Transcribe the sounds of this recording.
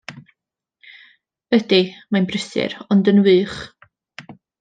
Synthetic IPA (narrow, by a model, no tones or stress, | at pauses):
vɛdimanbrɪsɨ̰ɾɔndənwɨːχ